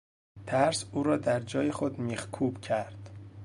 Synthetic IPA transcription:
t̪ʰæɾsuːɾɒːd̪æɾd͡ʒɒːjexod̪miːxkʰuːb̥cʰæɾd̪̥

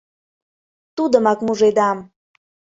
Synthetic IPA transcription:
t̪ud̪əmɑkmuʒed̪ɑm

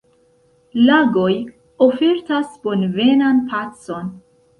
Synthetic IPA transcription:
laɡo̞j | ofe̞ɾtasb̥o̞nve̞nanpʰat͡so̞n

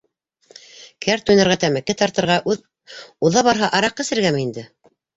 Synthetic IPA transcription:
kʰæɾt̪ujnɑɾʁɑt̪æmɘ̆kːɘt̪ɑɾt̪ɤ̆ɾʁɑ | uðɑβɑɾɦɑʔɑɾɑqːɘ̆sɘ̆ɾɡæmɘind̪ɘ

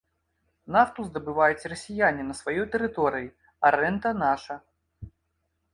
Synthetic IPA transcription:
naft̪uzd̪ɐbɨvajut͡sʲrɐsʲijanʲinɐsvajɔjt̪ɛɾɨt̪ɔɾɨji | ɐɾɛnt̪ɐnaʂɐ

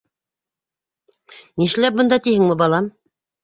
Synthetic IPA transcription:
niʃlæp̚bɤ̆nd̪ɑt̪ihɘŋmɘbɑlˠɑm

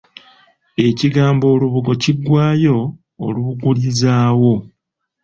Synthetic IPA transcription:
e̞ciɡaːmbo̞ːluβuɡo̞ciɡwaːjo̞̰ː | luβuɡulizaːwo̞

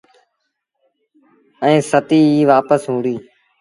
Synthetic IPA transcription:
ə̃ːsət̪iːiːʋaːpəsɦũːɽiː

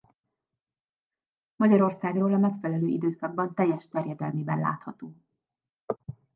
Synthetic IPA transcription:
mɒɟɒɾo̞rsaːɡroːlɒmɛkfɛlɛløːʔid̪øːsɒɡ̚bɒnt̪ɛjːɛʃt̪ɛrjɛd̪ɛlmeːbɛ̰nla̰ːt̪hɒt̪oː

